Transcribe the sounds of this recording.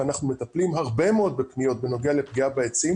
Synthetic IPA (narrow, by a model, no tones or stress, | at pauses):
anaχnume̞t̪aplimɦaʁbemeo̞d̪̚be̞pnijo̞t̪̚be̞no̞ɡeale̞pɡiabaet͡sim